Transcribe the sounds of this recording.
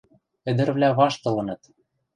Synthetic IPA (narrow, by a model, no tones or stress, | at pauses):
ɘ̆d̪ɘ̆ɾβlʲæβɑʃt̪ɤ̆lɤ̆nɤ̆t̪